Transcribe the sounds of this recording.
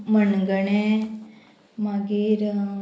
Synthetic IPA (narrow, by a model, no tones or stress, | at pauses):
mənɡəɳe | maɡiɾ